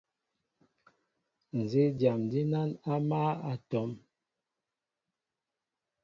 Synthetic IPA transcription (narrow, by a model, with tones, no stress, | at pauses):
n̩˨ze˦dja˨mdi˦na˦na˦ma˦a˨tɔ˨˦m